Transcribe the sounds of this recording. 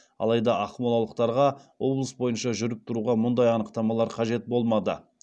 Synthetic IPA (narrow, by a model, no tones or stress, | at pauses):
ɑ̰lˠɑjd̪ɑʔɑχmolˠɑwlˠəq̚t̪ɑɾʁɑwo̞blˠəsbo̞jənʃɑʒʏɾɪp̚t̪ʰʊɾuʁɑmʊnd̪ɑjɑnəqt̪ɑmɑlˠɑɾqʰɑʒe̞t̪̚bo̞lˠmɑd̪ə̰